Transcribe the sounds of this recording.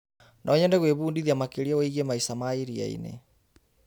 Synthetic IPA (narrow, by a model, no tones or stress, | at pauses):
nʔɔɲɛndɛɣweβuːndiðiamakeɾiaweiɣemaisamaiɾia̰ḭnḛ